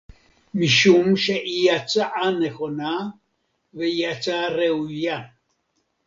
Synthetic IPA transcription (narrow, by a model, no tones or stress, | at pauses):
miʃumʃɛʔijat͡saʔanɛxona | vɛjat͡saɾɛuja